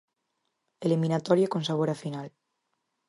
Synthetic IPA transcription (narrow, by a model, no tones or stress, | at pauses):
elimĩnat̪ɔɾjakõnsaβ̞oɾafinal